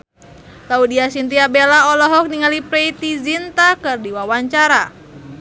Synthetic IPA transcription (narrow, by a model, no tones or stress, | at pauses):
t̪audiasint̪iabelaɔlɔɦɔk̚niŋalipɾɛjt̪izint̪akɨrdiwawaɲt͡ʃaɾa